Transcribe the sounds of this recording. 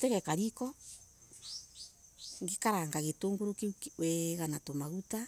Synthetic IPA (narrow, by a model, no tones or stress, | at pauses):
teɣɛkaɾikɔ | ŋɡikaɾaŋɡaɣetoːŋɡoɾokiwɛɣanatomaɣuta